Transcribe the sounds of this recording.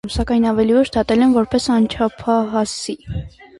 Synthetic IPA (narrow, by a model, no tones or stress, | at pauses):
msɑkɑjnɑvɛlivəʃd̪ɑt̪ɛlɛnvɔɾpɛsɑnt͡ʃʰɑpʰɑɦɑsi